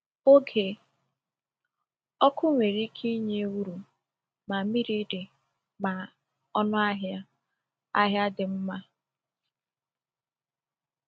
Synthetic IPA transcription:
o˦ɡʰe˨ | ɔ˦kʰʊ˦ŋʷe˨ɾi˦kʰi˦ɲe˦wu˦ɾu˨ | ma˨mi˦ɾi˦dɪ˨ | ma˨ | ɔ˦nʊ˦a˦ɦa˦ | a˦ɦja˦dɪ˨m̩˦ma˦

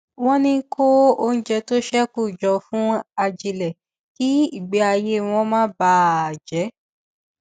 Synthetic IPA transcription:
w̃ɔ̃˦nĩ˧˦kʰo˦o˧n̩˦d͡ʒɛ˧to˦ʃɛ˦ku˦˨d͡ʒɔ˧fũ˦a˧d͡ʒi˧lɛ˨ | ki˦i˦˨ɡ͡bɛ˨˦a˧je˦w̃ɔ̃˧˦mãː˦ba˦˨d͡ʒɛ˨˦

